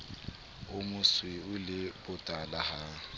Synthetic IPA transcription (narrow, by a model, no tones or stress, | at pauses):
ʊmʊswɪʊlɪbʊtʼalaha